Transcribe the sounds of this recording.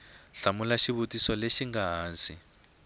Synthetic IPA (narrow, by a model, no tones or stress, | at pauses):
ɬamulaʃiβutisɔleʃiŋɡaɦaːnsi